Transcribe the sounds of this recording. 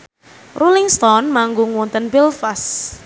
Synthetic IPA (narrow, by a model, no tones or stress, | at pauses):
rulɪŋst̪ɔnmaŋɡuŋwɔnt̪ənpilfas